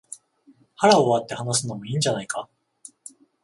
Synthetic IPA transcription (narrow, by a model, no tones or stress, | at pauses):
haɾaoβat̪ːehanas̬ɨnomo̞ĩːɲ̟d͡ʑanaika